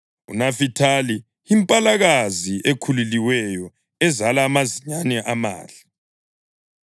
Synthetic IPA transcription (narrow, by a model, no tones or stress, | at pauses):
ṵnafitʰali | impʼalaɣaziʔekʰululiwɛjɔ | ɛzalaːmaziɲanɛʔama̰ːɮḁ